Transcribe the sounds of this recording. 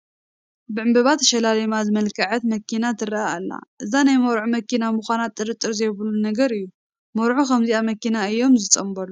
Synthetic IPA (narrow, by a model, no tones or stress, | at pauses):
bɨʕɨmbɐβat̪ʰːɐʃɐlalɐmazɨmɐlkʰɐʕɐt̪mɐkinat̪ʰɨɾɐaalːa̰ʔɨzanajmɐwɾʕumɐkʰinamuxʷanat̪ʼːɨɾɨt̪ʼːɨɾzɐjβlunɐɡɐɾɨjːu | mɐɾʕukɐmziamɐkinaɨjːo̞mzɨt͡sʼɐmbɐlu